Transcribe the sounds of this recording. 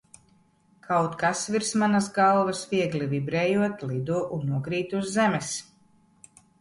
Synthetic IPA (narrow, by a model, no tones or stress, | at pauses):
kʰawt̪kasviɾsmanazɡalˠvasviɛɡlʲivibɾɛːjuɔt̪lˠid̪uːʔunːuɔkɾiːt̪uzːɛmɛs